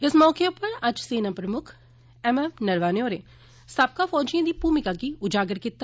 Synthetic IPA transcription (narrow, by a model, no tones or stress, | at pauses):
ɪsmɔːkeʊpəɾɐd͡ʒseːnãpɾɐmʊkʰ | ɛmɛmnɐɾʋaːnoːɾeː | sab̚kafɔːd͡ʒijãd̪iːpuːmɪkakiʊd͡ʒaːɡəɾkɪt̪ːa